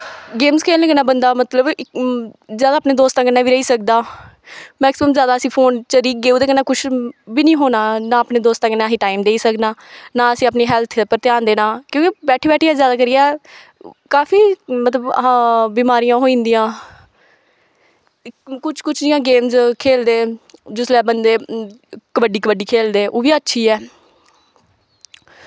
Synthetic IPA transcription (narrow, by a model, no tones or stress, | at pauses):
ɡeːmzkʰeːləɡənaːbənd̪aːmət̪ləb | zjaːd̪aːpneːd̪oːst̪ãːkənːaːʋiːɾəiːsək̚d̪aː | mɛːksɪməmzjaːd̪aːəsĩːpʰoːnt͡ʃəɾiːk̚ɡeːuːd̪eːkənãːkʊt͡ʃʰbiːnĩːɦoːnaːnaːəpneːd̪oːst̪ãːkənaːsĩːʈaːɪmd̪eːiːsəknaːnãːəsĩːapniːɦɛːlt̪ʰpəɾt̪ɪjaːnd̪eːnaːkjõːkibɛːʈʰiːbɛːʈʰiːaːzjaːd̪aːkəɾɪjaː | kaːfiːmət̪ləbbiːmaːɾɪjãːɦoːĩːnd̪ijãː | kʊt͡ʃʰkʊt͡ʃʰd͡ʒɪjãːɡeːmzkʰeːld̪eːd͡ʒɪslɛːbənd̪eːkəbəɖiːkəbəɖiːkʰeːld̪eːʔoːʋiːətːʃʰiːɛː